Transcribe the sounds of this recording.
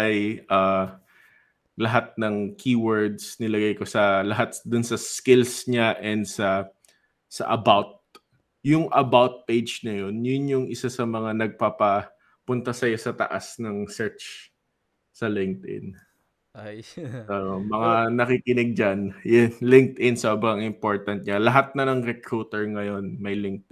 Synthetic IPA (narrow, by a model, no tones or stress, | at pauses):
ɐjʔa | lɐɦat̪̚nɐŋkʰiːwɛɹd̪snɪlɐɡajko̞sɐlɐɦat̪̚d̪ʊnsɐskɪlsɲaʔɛnd̪sɐ | sɐ̰ʔɐbawt̪̚ | jʊŋʔɐbawt̪̚pejd͡ʒnɐjo̞njʊnjʊŋɪsasɐmɐŋanɐɡ̚papɐ | pʊnt̪ɐsɐjo̞sɐt̪ɐ̰ʔasnɐŋsɛɹt͡ʃ | sɐlɪŋk̚t̪ɪ̰n | omɐŋanɐkiːkɪnɪɡ̚d͡ʒɐnjʊnlɪŋk̚t̪ʔɪnsobɾɐŋɪmpo̞ɹt̪ɐnt̪̚ɲalɐɦat̪̚nɐnɐŋɾɛkɾut̪ɛɹŋɐjo̞nmɐjlɪŋk̚t̪